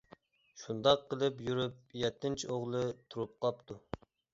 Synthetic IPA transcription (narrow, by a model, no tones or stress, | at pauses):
ʃund̪ɑqʰːəlˠɨpjyɾyp̚jɛt̪ʰːɪnt͡ʃʰioʁlˠɨt̪ʰuɾup̚qʰɑpt̪ʰu